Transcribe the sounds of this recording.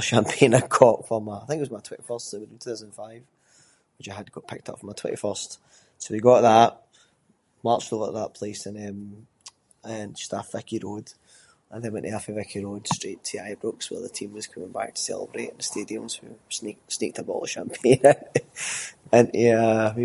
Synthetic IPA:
əʃãmpʰẽnəkʰɔʔfə˞məaθɪ̃ŋkɪʔwɔzmaɪtʰwɛ̃nʔifɜ˞stsoɪwɪd̃ntʰʉ̥ːθaʊzəndnfaɪv̥ | wɪt͡ʃaɪəd̚ɡ̥ɔʔpʰɪk̚tʰʌ̰pfɹə̃maɪtʰw̥ɛ̰̃tʔḭfɜ˞st | sowiɡɔʔðəʔ | maɹt͡ʃovə̰ʔəðə̰ʔpʰl̥esə̃nə̃m | ənd͡ʒʌ̥stəv̥ɪkiɹod̥ | ə̃nðə̃wɛ̃nʔiɛafəvɪkʰiɹod̥stɹ̥iʔtʰiaɪbɹʊkswə̰˞ðətʰĩmwəz̥kʰʌmɪ̃ŋba̰k̚tʰə̥sɛ̰lˠə̰bɹḛʔə̃nstediə̃mz̥wḭsnek̚snek̚tʰəbɔ̰lˠəʃã̰mpʰẽnə̃ | ə̃nɛəwi

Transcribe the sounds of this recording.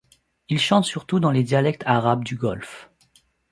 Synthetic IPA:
ilʃɑ̃t̪syʁt̪ud̪ɑ̃led̪jalɛk̚t̪ʰaʁabd̪yɡɔlf

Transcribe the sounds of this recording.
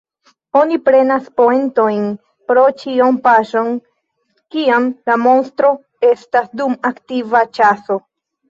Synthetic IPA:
o̞nipɾe̞naspoento̞jn | pɾo̞t͡ʃionpaʃo̞n | kiamlamo̞nstɾo̞ | e̞stasdumaktivat͡ʃaso̞

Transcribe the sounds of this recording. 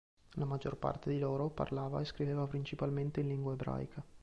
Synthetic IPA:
lamad͡ʒːorpa̰rt̪ed̪iloːɾopa̰rlaːva̰eskɾiveːvapɾint͡ʃipalment̪einliŋɡwaebɾa̰jkʰa

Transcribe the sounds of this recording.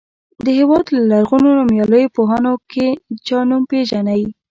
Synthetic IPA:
d̪əhewɑd̪lalaɾɣunonumjɑləjopoɦanoket͡ʃɑnumpeʒanawi

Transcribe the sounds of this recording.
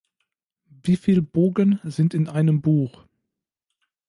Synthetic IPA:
viːfiːlboːɡənzɪntɪnʔaɪnəmbuːx

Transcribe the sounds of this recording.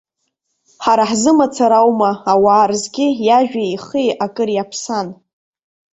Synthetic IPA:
ħaɾaħzɨmat͡sʰaɾawmaawaːrzɡʲɪjaʒᶣaiχijakʼɨrjapʰsan

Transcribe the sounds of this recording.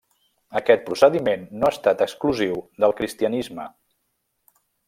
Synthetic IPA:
əkɛt̪̚pɾusəðimenːoast̪at̪əkskluziwðəlˠkɾist̪iənizmə

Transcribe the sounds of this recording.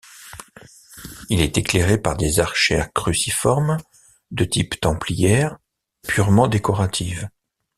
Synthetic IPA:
ilɛt̪ekleʁepaʁd̪ezaʁʃɛkχysifɔʁm | d̪ət̪ipt̪ɑ̃plijɛʁ | pʰyʁmɑ̃d̪ekɔʁat̪ʰiv

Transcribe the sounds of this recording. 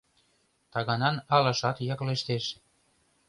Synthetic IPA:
t̪ɑɣɑnɑnɑlɤ̆ʃɑt̪jɑkleʃt̪eʃ

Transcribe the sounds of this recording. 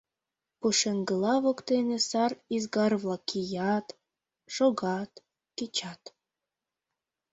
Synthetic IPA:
puʃeŋɡəlɑβokt̪enesɑrizɡɑrβlɑkʰijɑt̪ | ʃoɣɑt̪ | ket͡ɕɑt̪

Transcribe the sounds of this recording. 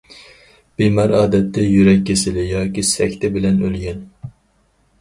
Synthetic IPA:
b̥emɑɾɑːd̪ɛt̪ʰːɛjyɾɛkʲːesɪlɪjɑːkʲisɛkʲt̪ʰɛbɪlɛnølɡʲɛn

